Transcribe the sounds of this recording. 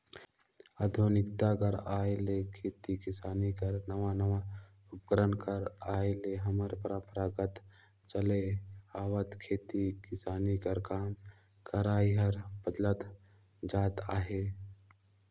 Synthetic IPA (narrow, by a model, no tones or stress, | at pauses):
ad̪ʱonɪkt̪akɐɾaːelekʰeːt̪ikɪsaːnikəɾnəʋanəʋa | ʊp̚kəɾənkəɾaːeleɦɐməɾpəɾə̃mpəɾaːɡət̪ | t͡ʃəleaːʋət̪kʰeːt̪ikɪsaːnikəɾkaːm | kɐɾaːiɦɐɾbəd̪lət̪ | d͡ʒaːt̪aːɦeː